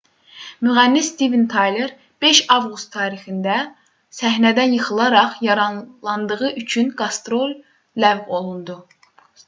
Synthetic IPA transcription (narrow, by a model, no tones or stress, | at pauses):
myʁænːisːt̪ivint̪ʰɑjleɾ | b̥e̞ʃɑvɡust̪ʰːɑːɾixind̪æ | sæɦnæd̪ænjɯxɯlˠɑɾɑχjɑɾɑnlˠɑnd̪ɯʁɯyt͡ʃʰynɡɑst̪ɾo̞lʲː | ævvo̞lˠund̪u